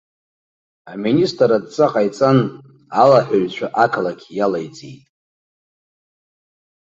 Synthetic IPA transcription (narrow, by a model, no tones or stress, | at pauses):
aministʼradt͡sʼaqʼajt͡sʼan | alaħʷaɥt͡ɕʷʰaʔakʰalakʲʰjalajt͡sʼḭtʼ